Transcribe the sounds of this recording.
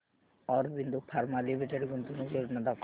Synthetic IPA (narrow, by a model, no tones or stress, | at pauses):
ɔɾbind̪upʰaɾmalimiʈeɖɡunt̪unuɡeɾnad̪ak